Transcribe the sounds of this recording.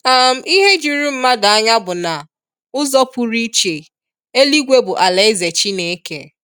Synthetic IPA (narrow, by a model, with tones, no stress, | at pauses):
a˦m̩˦i˦ɦe˦d͡ʒi˨ɾu˦m̩˦ma˦da˨a˦ɲa˦bʊ˨na˨ | ʊ˦zɔ˦pu˦ɾi˦t͡ʃe˨ | e˦li˦ɡʷe˦bʊ˨ʔa˨le˦ɪ˦ze˨t͡ʃi˦ne˦ke˦